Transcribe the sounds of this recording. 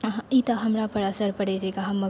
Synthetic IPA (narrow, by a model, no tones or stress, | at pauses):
it̪aɦɐmɾapɐɾɐsəɾpɐɽed͡ʒekaɦɐmːɐ